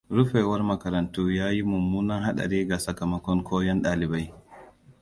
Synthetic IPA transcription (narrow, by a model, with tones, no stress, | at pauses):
ɾʊ˦ɸe˨wɐ˦rmɐ˨kɐ˨ɾɐ˨ntuː˦jaː˦ji˦mʊ˨mːuː˦nɐ˦ŋɦa˦ɗɐ̰˨ɾeː˦ɡa˨sɐ˨ka˨mɐ˦kʷɔ˦ŋkʰoː˦jɔ˦nɗaː˨lɪ˨ba˦j